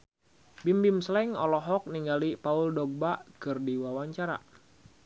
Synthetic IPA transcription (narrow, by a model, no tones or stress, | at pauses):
bimbimslɛŋɔ̰lɔɦɔk̚niŋɡalipaʊldɔɡ̚baʔkɨrdiwawaɲt͡ʃaɾa̰